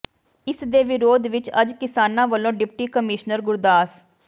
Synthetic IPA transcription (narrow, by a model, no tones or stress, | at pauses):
ɪsd̪eːʋɪɾoːd̪ʋɪt͡ʃəd͡ʒkɪsaːnãːʋəlːõːɖɪpʈiːkəmɪʃnəɾɡʊɾd̪aːs